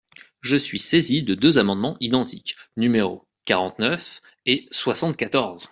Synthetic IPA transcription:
ʒəsɥisezid̪əd̪øzamɑ̃d̪mɑ̃ʔid̪ɑ̃t̪ʰiknymeʁo̰ | kaʁɑ̃t̪nœf | eswasɑ̃t̪̚kat̪ɔʁz

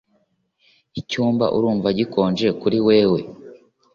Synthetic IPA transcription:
icuːmba̰ʔṵɾuːɱvaɟiko̞ːnʒe̞kuɾiwe̞ːwe̞

